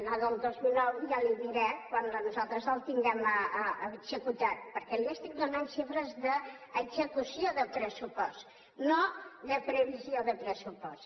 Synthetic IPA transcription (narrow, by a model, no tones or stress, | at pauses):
ənaðəlˠd̪ozmilˠnɔwjaliβiɾɛkwannuzalˠt̪ɾəzəlˠt̪iŋɡɛməəəɡzəkut̪at̪̚pəɾkɛliəst̪ik̚d̪unanʃifɾəzðəːɡzəkusioðəpɾəsupɔst̪ | noðəpɾəβizioðəpɾəsupɔs